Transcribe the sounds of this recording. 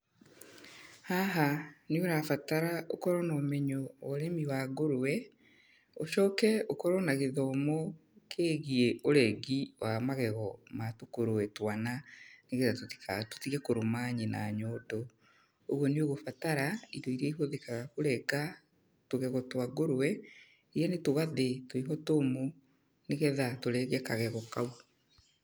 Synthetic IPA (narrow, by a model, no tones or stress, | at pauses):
haɦanioɾafataɾao̰kɔɾɔnɔːmɛɲɔwɔɾemiwaɡoɾowɛ | oʃɔːkɛokɔɾɔnaɣeɣɔmokʰeːɣieoɾɛɡiwʔamaɣɛɣɔmatokoɾoɛtwananeɣɛðatoti̥kato̥tiɣɛkoɾomaɲena̰ɲɔːdɔ | oɣwɔneoɣofataɾaidɔiɾɛiɦoðekaɣakoɾɛɡa | toɣɛɣɔtwaɡoɾowɛ | eɾjanetoɣaðetoiɦɔtoːmo | neɣɛðatoɾɛɣɛkaɣɛɣɔkau